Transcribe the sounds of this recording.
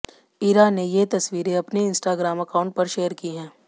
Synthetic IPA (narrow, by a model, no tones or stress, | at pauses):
iːɾaːnːejet̪ɐswiːɾeɐpneɪ̃nsʈaːɡɾaːmɐkaːʊ̃ɳʈ̚pɐɾʃeːəɾkiɦɛ̃ː